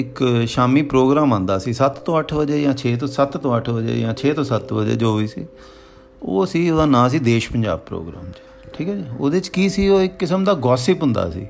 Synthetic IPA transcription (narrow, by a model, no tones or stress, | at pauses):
ɪkʃaːmiːpɾoːɡɾaːmə̃nd̪aːsiːsət̪t̪õːəʈʰʋəd͡ʒeːjãːt͡ʃʰeːt̪̬õːsət̪t̪õːəʈʰʋəd͡ʒḛːjãːt͡ʃʰeːt̪õːsət̪ʋəd͡ʒḛːd͡ʒoːʋiːsḭː | o̰ːəsiːoːd̪aːnãːs̬iːd̪eːʃpəɲd͡ʒa̰ːb̚pɾo̰ːɡɾa̰ːmt͡ʃ | ʈʰiːkaːd͡ʒiːoːd̪eːt͡ʃkiːsiːoːɪkːɪsəmd̪aːɡɔːsɪːpɦʊ̃nd̪a̰ːsḭː